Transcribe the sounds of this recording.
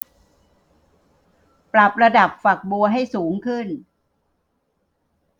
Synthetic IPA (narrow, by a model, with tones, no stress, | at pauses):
pɾa˨˩p̚ɾa˧da˨˩p̚fa˨˩k̚bu˧ɐɦa˥˩jsuː˩˦ŋkʰɯ˥˩n